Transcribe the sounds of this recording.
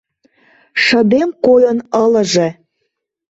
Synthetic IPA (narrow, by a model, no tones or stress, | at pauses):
ʃə̆d̪emkojənələ̆ʒĕ